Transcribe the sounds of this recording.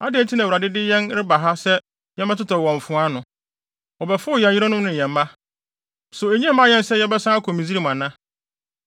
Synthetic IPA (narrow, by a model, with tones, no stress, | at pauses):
a˦dɪ˨ɛ˦tʰi˦nã˨u˨ɾa˨dɪ˦dɪ˦jɛ̃˦nɾɪ˦ba˨ɦa˦sɛ˦ | jɛ̃˦mã˦tʰʊ˦tʰɔ˨wɔ̃˨ɱ˨fʊ̃˦a˦nʊ̃˨ | ɔ˨bɛ˨fʊ˦˨jɛ̃˨ji˦ɾɔ˦nʊ̃˦mnʊ̃˨ɛ̃˨m˦mã˦ | sʊ˨e˨ɲĩ˦˨˦mã˦jɛ̃˦nsɛ˦jɛ˦bɛ˦sã˦a˦kʰɔ˨mĩ˨zi˦ɾi˦˨m˨ã˨nã˦